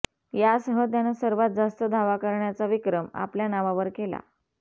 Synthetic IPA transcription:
jasɦət̪̬janəsəɾʋat̪̚d͡zast̪əd̪ʱaʋakəɾɳjat͡saʋikɾəma̰pljanaʋaʋəɾkela̰

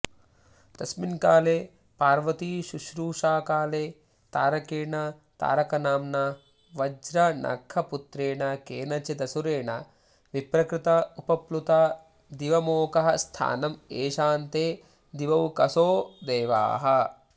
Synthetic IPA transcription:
t̪ɐsminkaːleː | paːɾʋɐt̪iʃuʃɾuːʃaːkaːleː | t̪aːɾɐkiːɾɳɐ | t̪a̰ːɾɐkɐnaːmnɐ | ʋɐd͡ʒɾɐnʔɐ̰kʰːɐput̪ɾeːɳɐkeːnɐt͡ʃid̪ɐsuɾeːɳɐ | ʋipɾɐkɾɪt̪ɐupɐplut̪aː | d̪iʋɐmoːkɐɦɐst̪ʰa̰ːnɐmeːʃaːnt̪eː | d̪iʋɐʋkɐsoːd̪eːʋa̰ːɦɐ

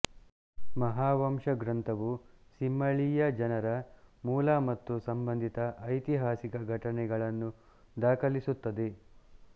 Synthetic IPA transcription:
mɐɦaːʋɐmʂɐɡɾɐnt̪ɐʋusimːɐɭijɐd͡ʒɐnɐɾɐmuːlɐmɐt̪ːusɐmbɐnd̪ʱit̪ɐʔːjt̪iɦaːsikɐɡʱɐʈɐnɛɡɐɭɐnːu | d̪aːkʰɐlisut̪ːɐd̪e̞

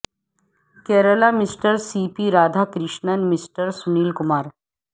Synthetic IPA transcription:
kɛːɾəlamisʈəɾsiːpiɾaːd̪ʱakɾɪʃɳənmisʈəɾsuniːlkumaːɾ

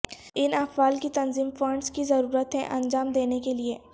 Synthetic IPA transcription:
ɪnɐfaːlkit̪ɐnziːmfɐ̃ɳɖskizɐɾuːɾət̪ɦɛ̰̃ʔɐ̃nd͡ʒaːmd̪eːnekelieː

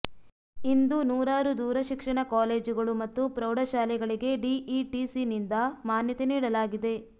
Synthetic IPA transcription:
ind̪unuːɾaːɾud̪uːɾɐʃikʂɐɳɐkaːle̞ːd͡ʒuɡɐɭumɐt̪ːupɾɐwɽɐʃaːlɛɡɐɭiɡe̞ɖiʔiʈisinind̪ɐmaːnjɐt̪eniːɽɐlaːɡid̪e̞

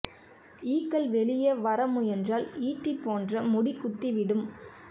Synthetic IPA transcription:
iːkːɐlʋɛɭɪjɐʋɐɾɐmɯɛndraːliːʈːipːoːndrɐmʊɽɪkːʊt̪ːiʋɪɽɯm

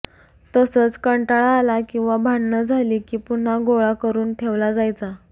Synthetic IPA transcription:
t̪əsəːt͡skəɳʈaɭaːlakĩw̃ʋabʱaɳːəd͡zʱaliːkiːpun̤aɡoɭakəɾuːnʈʰeʋlad͡zajt͡sa

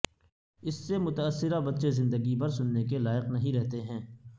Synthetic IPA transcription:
ɪsːemʊt̪əːsːɪɾabɐt̪ːʃezɪ̃nd̪əɡipɐɾsʊnːekelaːɪqnɐɦĩɾɛɦt̪eɦɛ̃ː

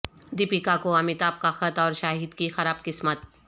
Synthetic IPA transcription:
d̪ɪpikakoɐmɪt̪aːb̚kaxɐt̪ɔːɾʃaːɦiːd̪kixɐɾaːbkɪsmət̪̚

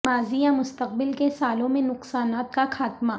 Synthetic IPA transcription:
maːzijamʊst̪əq̚bɪlkesaːlõmẽnʊqsaːnaːt̪kaxaːt̪ma

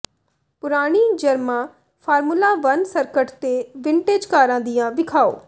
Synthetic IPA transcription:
pʊɾaːɽ̃iːd͡ʒəɾmãː | pʰaːɾmulaːʋənsəɾkəʈt̪eːʋɪɳʈeːd͡ʒkaːɾãːd̪ɪjãːʋɪkʰaːo̰ː

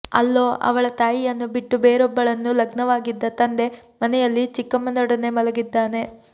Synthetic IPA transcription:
ɐ̰lːo̞ːʔɐ̰ʋɐɭɐt̪aːjijɐnːubiʈːubeːɾɔbːɐɭɐnːulɐɡnɐʋaːɡid̪ːɐt̪ɐnd̪e̞mɐnɛjɐlːit͡ʃikːɐmɐnɔɽɐne̞mɐlɐɡid̪ːaːne̞

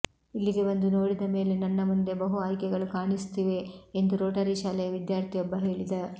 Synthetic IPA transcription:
ilːiɡe̞bɐnd̪uno̞ːɽid̪ɐme̞ːlenɐnːɐmund̪e̞bɐɦuaːjkɛɡɐɭukaːɳist̪iʋe̞ːnd̪uɾoːʈɐɾiʃaːlɛjɐʋid̪jaːɾt̪ʰijɔbːɐɦe̞ːɭid̪ɐ

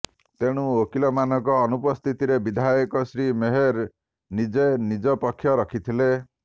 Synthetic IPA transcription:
t̪eɽ̃uokilɔmanɔkɔːnupɔst̪ʰit̪iɾebid̪ʱajɔkɔsɾimeɦeɾ | nid͡ʒenid͡ʒɔpɔkʰːjɔɾɔkʰit̪ʰile

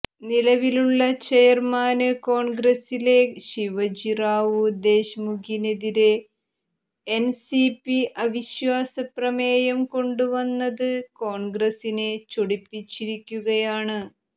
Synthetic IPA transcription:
nilɐʋiluɭːɐt͡ɕejɐrmaːnɨko̞ːɳɡrɐsile̞ɕiʋɐd͡ʑiraːʋɨd̪e̞ːɕmuɡʰʱineðiɾe | ensipiʔɐʋiɕʋaːsɐprɐmeːjɐmko̞ɳɖuʋɐnːɐðɨko̞ːɳɡrɐsinet͡ɕoɽipːit͡ɕːiɾikʲːuɣɐjaːɳɨ

